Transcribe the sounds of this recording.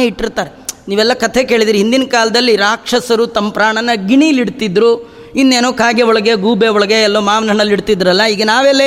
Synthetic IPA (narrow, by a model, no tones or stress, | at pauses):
eːiʈːiɾt̪aːɾeniːʋɛlːɐkɐt̪ʰeke̞ːɭid̪iːɾiɦind̪inɐkaːlɐd̪ɐlːiɾaːkʂɐsɐɾut̪ɐmːɐpɾaːɳɐnːɐɡiɳiliɽt̪id̪ɾu | inːeːnoːkaːɡeɔɭɐɡeɡuːbeɔɭɐɡeːlːoːmaːʋnɐɐɳɐlːiɽt̪id̪ɾɐlːɐiːɡɐnaːʋelːe